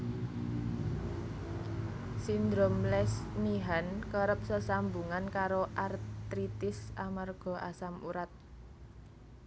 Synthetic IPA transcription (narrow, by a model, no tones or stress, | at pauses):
sind̪ɾomlɛsmiɦankəɾəp̚səsambuŋankaɾoʔart̪ɾit̪ɪsamarɡ̥ɔ̤ʔa̰samṵɾat̪̚